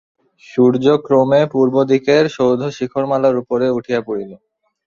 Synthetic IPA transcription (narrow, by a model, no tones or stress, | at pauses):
ʃuɾd͡ʑokɾomepuɾbod̪ikeɾʃowd̪ʱoʃikʰoɾmalaɾupoɾeuʈʰijapuɽilo